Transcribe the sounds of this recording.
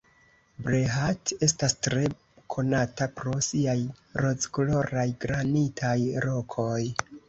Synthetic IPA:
bɾeɦate̞stastɾe̞ | kʰo̞natapɾo̞siajɾo̞t͡skolo̞ɾajɡɾanitʰajɾo̞kʰo̞j

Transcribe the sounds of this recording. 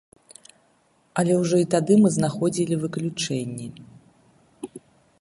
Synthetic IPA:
ɐlʲɛwʐɔit̪ad̪ɨmɨznaxɔd͡zʲilʲivɨklʲut͡ʂɛnʲːɛ

